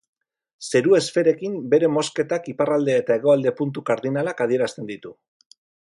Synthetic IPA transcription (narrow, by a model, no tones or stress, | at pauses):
se̞ɾue̞sfe̞ɾe̞kimbe̞ɾe̞mo̞ske̞t̪akiparald̪e̞ːt̪ae̞ɣ̞o̞ald̪e̞punt̪̬ukaɾðinalakaðie̞ɾast̪e̞nd̪it̪u